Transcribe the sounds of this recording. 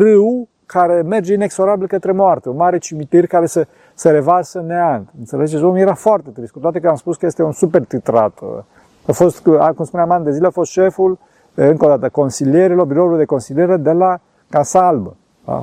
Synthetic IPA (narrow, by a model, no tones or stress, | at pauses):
rɨw | kʰaɾeme̞rd͡ʒeinekso̞ɾabilkət̪ɾe̞moart̪eunmaɾet͡ʃimit̪irʲkaɾesə | seɾevasəneant̪ɨnselet͡ʃezomujeɾafoart̪et̪ɾiskut̪oat̪ekəamspuskəjest̪eunsupert̪it̪ɾa̰t̪ | afost̪akumspuneamand̪ezileafo̞st̪ʃeful | ɨŋkod̪at̪əko̞nsilieɾilo̞rbiɾould̪e̞ko̞nsilieɾed̪ela | kasalbə | a̰